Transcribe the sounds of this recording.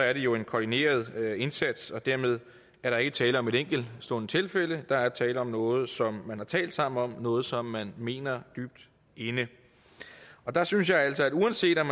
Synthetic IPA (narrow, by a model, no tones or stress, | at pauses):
ɒæɐɾ̥e̝jo̝e̝nkʰɒdine̝̰ːɐð̞ˠe̝nsæd̥sɒ̽d̥æɐmeð̞ˠ | æɐɾ̥ɑ̈e̝ɡ̥ət͡sʰɛːləɒ̽me̝ɾeŋ̰ɡ̥l̩sd̥o̝nt͡sʰe̝lfeləd̥ɑ̈æɐt͡sʰɛːləɒ̽mnɔ̽ːð̞̩ˠsɒ̽mːænhɑ̈t͡sʰɛ̰ːld̥sɑ̈m̰n̩ɒ̽mnɔ̽ːð̞̩ˠsɒ̽mːænme̝̰ːnɐd̥yːb̥̚d̥ | e̝nə | ɒ̽d̥ɑ̈syns̬jɑ̈ɪæl̰sɒ̽æd̥uænse̝̰ːd̥ɒm